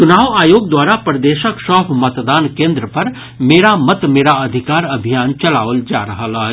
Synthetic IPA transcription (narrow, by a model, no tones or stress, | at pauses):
t͡ʃʊnaːʋaːjoːɡd̪waːɾapɾəd̪eːʃəkʃɔːpʰmɐt̪d̪aːnkẽːnd̪ɾəpɐɾ | meːɾamɐt̪meːɾaɐd̪ʱɪkaːɾɐbʱijaːnt͡ʃɐla̰ːʋəld͡ʒaːɾɐɦalaːɦ